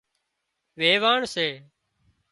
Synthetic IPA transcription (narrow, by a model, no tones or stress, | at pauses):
ʋeːʋaːɳseː